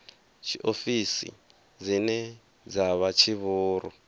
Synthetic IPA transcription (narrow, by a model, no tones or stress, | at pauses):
t͡ʃʰiʔofisḭ | d͡zinɛ | d͡zaβat͡ʃʰiβuːɾɔ̰